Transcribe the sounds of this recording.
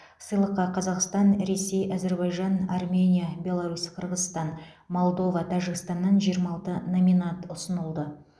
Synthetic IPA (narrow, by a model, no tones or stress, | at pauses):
səjlˠəqːɑqʰɑzɑqst̪ɑnɾe̞se̞jʔæze̞ɾbɑjʒɑnarmʲe̞nʲijabʲe̞lˠaɾusqʰəɾʁəzst̪ɑn | mo̞lˠd̪o̞vɑt̪ʰɑʒɪɡst̪ɑnːɑnʒijəɾmɑɑːlˠt̪ənomijnat̪ʊsənəlˠd̪ə